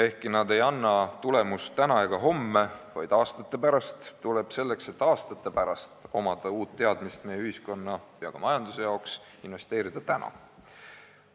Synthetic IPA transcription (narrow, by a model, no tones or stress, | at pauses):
e̞hkinɑd̪e̞jɑnːɑt̪ule̞must̪ænɑjɡ̥ɑɦo̞mːe̞vɑjd̪̥ɑːst̪ɑt̪ːˑe̞pæɾɑst̪t̪ːule̞b̥se̞lːe̞kse̞t̪ːˑɑːst̪ɑt̪ːˑe̞pæɾɑst̪o̞mɑd̪̥ɑuːt̪ːe̞ɑd̪̥mist̪me̞jːeyhisko̞nːɑjɑkɑmɑjɑnd̪̥use̞jɑoks | inve̞st̪e̞ːɾid̪̥ɑt̪ænʔɑ̰